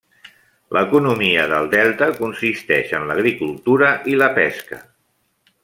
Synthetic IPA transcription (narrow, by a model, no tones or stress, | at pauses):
lʔəkunumiəðəlˠd̪ɛlˠt̪əkunsist̪ɛʃənləɣ̞ɾikulˠt̪uɾəʔiləpɛskə̰